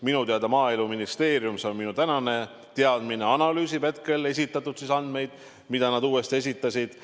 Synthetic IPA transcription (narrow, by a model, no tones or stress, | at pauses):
minut̪eɑd̪ɑmɑːeluminist̪e̞ːɾjumseo̞nminut̪ænɑne̞ | t̪e̞ɑd̪̥mine̞ɑnɑlyːsipe̞t̪̚ke̞le̞s̬ʲit̪ːˑɑt̪ːˑud̪̥sisɑnd̪̥me̞jd̪̥ | mid̪̥ɑnɑd̪uːe̞st̪ie̞s̬ʲit̪ːˑɑsʲid̪̥